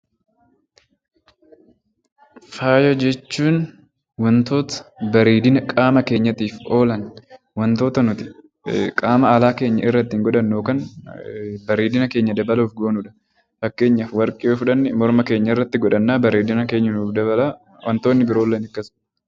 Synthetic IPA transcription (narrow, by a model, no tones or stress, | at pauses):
faːjɔd͡ʒɛt͡ʃːuːn | wɐnt̪o̞ːt̪ɐ̥bɐɾeːd̪ɪnɐkʼaːmɐke̞ːɲːɐt̪iːfo̞ːlɐn | wɐnt̪oːt̪ɐnʊt̪ɪ̥ | kʼaːmɐaːlaːke̞ːɲːɐɪrːɐt̪ːɪŋɡɔᶑɐnːoːkɐn | bɐɾeːd̪ɪnɐke̞ːɲːɐd̪ɐbɐluːfɡo̞ːnuːᶑɐ̥ | fɐkːe̞ːɲːɐfwɐɾkʼɪoːfʊᶑɐnːɪmɔɾmɐke̞ːɲːɐɪrːɐt̪ːɪɡɔᶑɐnːaːbɐɾeːd̪ɪnɐke̞ːɲːɐnuːfd̪ɐɐla | wɐnt̪oːnːɪbɪɾo̞ːlːeːnɪkːɐs